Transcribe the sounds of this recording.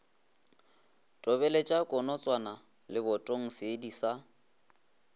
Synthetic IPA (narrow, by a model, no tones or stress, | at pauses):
tʼɔbɛlet͡ʃʼakʼɔnɔt͡sʼwana | lɪbɔtʼoŋ̩seːdisa